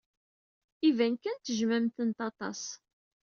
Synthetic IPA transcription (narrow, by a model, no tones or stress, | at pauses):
ivænkænt̪əʒmæmt̪ənt̪ɑt̪ˤɑ̰s